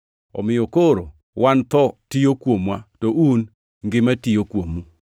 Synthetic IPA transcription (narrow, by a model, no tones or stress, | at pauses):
ɔ̰mɪjokoɾo | wʔant̪ɔtijokwomwatoʔun | ŋɡɪmatijokwomu